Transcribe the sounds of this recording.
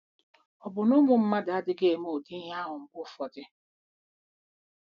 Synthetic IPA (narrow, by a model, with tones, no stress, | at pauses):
ɔ˨bʊ˨nʊ˦mʊ˨m̩˦ma˦da˨a˦dɪ˦ɡe˨e˨mo˨di˦ɦa˦ɦʊ˨ŋ̩˨kʷʊ˦fɔ˨dɪ˦